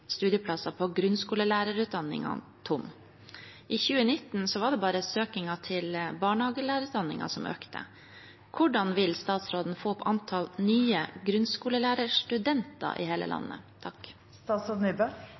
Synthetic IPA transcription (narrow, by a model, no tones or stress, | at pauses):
st̪ʉːd̪jəpʰlɑsɑpʰɔɡɾʉnskuːləlæːɾəɾʉːt̪̚d̪ɑnːɪ̰ŋɑ̰ | t̪ʰʊm | ʔiːçʉːənɪt̪ːn̩sɔʋɑɖɛbɑːɾəsøːkɪŋɑt̪ʰɪlbɑːɳhɑːɡəlæːɾəʉːt̪d̪ɑnːɪ̰ŋɑ̰sɔmʔø̰ːkt̪ʰə̰ | kʰʊɖɑnʋɪlst̪ɑːt̪sɾoːd̪n̩foːpʰʔɑnt̪ʰɑlnyːəɡɾʉnskuːləlæːɾəʂʈʉd̪ɛnt̪ɑ̰ʔɪ̰heːlə̰lɑ̰nːə̰t̪ʰɑk | st̪ɑːt̪sɔnyːbø